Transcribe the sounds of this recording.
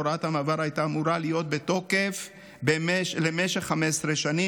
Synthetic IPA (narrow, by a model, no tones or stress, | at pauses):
oɾathamaːvaɾajtaːmuɾalijo̞t̪̚be̞to̞ke̞f | bemelemeʃeχːamesɾeʃani